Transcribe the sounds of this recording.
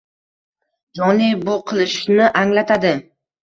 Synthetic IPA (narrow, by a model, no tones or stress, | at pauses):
d͡ʒɒnibʊqʰɨlˠɪʃnɪʔaŋlat̪ʰad̪ɪ